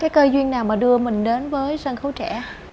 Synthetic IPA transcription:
kaː˨˦jkəː˧jzwi˧ənnaː˨˩wmaː˨˩ɗɨ˧əmï˨˩ŋ̟ɗe˨˦nvəː˨˦jsə˧nxə˨˦wt͡ɕɛ̰˧˩

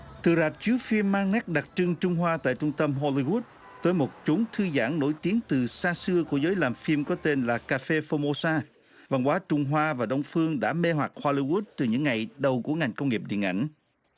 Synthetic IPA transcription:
t̪ɨ˨˩zaː˨˩t̚t͡ɕɨ˨˦əfi˧mːaː˧ŋŋɛ˦˥k̚ɗa˨˩t̚t͡ɕɨ˧ŋt͡ɕʊ˧ŋ͡mɦwaː˧t̪a̰ː˧˨jt͡ɕʊ˧ŋ͡mt̪ə˧mɦo˧li˧ɣu˦˥t̚ | t̪əː˨˦jmo˨˩t̚t͡ɕu˨˦nt̪ʰɨ˧za̰ː˧˥ŋno̰˧˥˩jt̪i˨˦əŋt̪ɨ˨˩saː˧sɨ˧əku˧˩əzəː˨˦jlaː˨˩mfi˧mkɔ˨˦t̪e˧nlaː˨˩kaː˧fe˧fo˧mo˧saː˧ | va˨˩ŋkwaː˨˦t͡ɕʊ˧ŋ͡mɦwaː˧vaː˨˩ɗə˧wŋ͡mfɨ˧əŋɗa̰ː˧˥me˧ɦwa˨˩t̚ho˧li˧ɣu˦˥t̚t̪ɨ˨˩ɲɨ̰˧˥ŋːa˨˩jɗə˨˩wku˧˩əŋa˨˩jŋ̟kə˧wŋ͡mŋi˨˩p̚ɗḭ˧˨əŋʔa̰˧˩ŋ̟

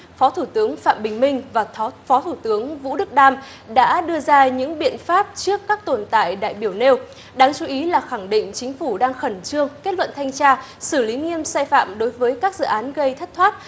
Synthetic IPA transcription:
fɔ˨˦t̪ʰu˧˩t̪ɨ˨˦əŋfa̰ː˧˨mɓï˨˩ŋ̟mï˧˩ŋ̟vaː˨˩˨fɔ˨˦t̪ʰu˧˩t̪ɨ˨˦əŋvṵ˧˥ɗɨ˦˥k̚ɗaː˧m | ɗa̰ː˧˥ɗɨ˧əzaː˧ɲɨ̰˧˥ŋɓḭ˧˨ənfaː˦˥p̚t͡ɕɨ˦˥əkːaː˦˥k̚t̪o˨˩nt̪a̰ː˧˨jɗa̰ː˧˨jɓi˧˩əwne˧w | ɗaː˨˧ŋt͡ɕu˨˦ʔi˨˦laː˨˩xa˧˩ŋɗḭ̈˧˨ŋ̟t͡ɕï˨˦ŋ̟fu˧˩ɗaː˧ŋxə˧˩nt͡ɕɨ˧əŋke˦˥t̚lwə̰˧˨nt̪ʰa˧jŋt͡ɕaː˧ | sɨ˧˩li˨˦ŋi˧əmsaː˧jfa̰ː˧˨mɗo˨˦jvəː˨˦jkaː˦˥k̚zɨ̰˧˨ʔaː˨˦nɣə˧jt̪ʰə˦˥t̚t̪ʰwaː˦˥t̚

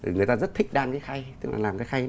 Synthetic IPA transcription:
ŋɨ˨˩əjt̪aː˧zə˦˥t̚t̪ʰï˦˥k̟̚ɗaː˧nkaː˨˦jxa˧jt̪k̚la̰ː˨˩laː˨˩mkaː˨˦jxa˧j

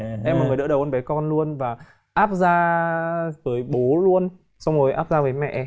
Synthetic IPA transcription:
ʔɛ˧ma˨˩ŋː˨˩ɗɨ̰˧˥ɗə˨˩wʔə˧ɓɛ˨˦jkɔ˧nlu˧ənvaː˨˩ | ʔaː˦˥p̚zaː˧ | vəː˨˦jɓo˨˦lu˧ən | sɔ˧wŋ͡mmo˨˩˦jʔa̰ː˦˥p̚zaː˧vəː˨˦jmɛ̰˧ʔ

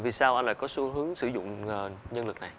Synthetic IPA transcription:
vi˨˩saː˧wʔa˧nla̰ː˧˨kɔ˨˦su˧˦ɦɨ˨˦əŋsɨ˧˩zʊ̰˧˨ŋ͡mːɲə˧nlɨ˨˩k̚na˨˩j

